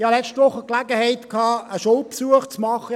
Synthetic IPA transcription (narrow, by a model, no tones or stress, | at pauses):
hɑlɛt͡ʃtʋʊχəklaɡəhɛɪt̪kʰɑːəʃɔʊpsuəχt͡smɑχə